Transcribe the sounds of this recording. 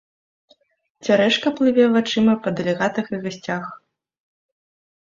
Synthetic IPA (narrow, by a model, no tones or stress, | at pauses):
t͡sʲaɾɛʂkɐplˠɨvʲɛvat͡ʂɨmɐpɐd̪ɐlʲɛɣat̪ɨxɨɣasʲt͡sʲax